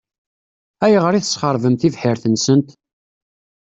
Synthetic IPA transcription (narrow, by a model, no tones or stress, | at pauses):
æjʁəɾiθə̥sχəɾˤvəmθivħiɾθənsənt̪